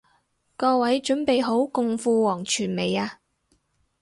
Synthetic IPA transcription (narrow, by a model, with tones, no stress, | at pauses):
kɔː˧wɐ˨˥jt͡ʃɵ˨˥npe˨jɦo˨˥wkʊ˨˧ŋfuː˧wɔː˨˩ŋt͡ʃʰyː˨˩nme˨jaː˧